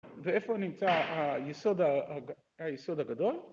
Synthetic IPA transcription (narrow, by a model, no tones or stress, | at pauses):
veefounimt͡saajeso̞d̪aa | ajeso̞d̪haɡad̪o̞l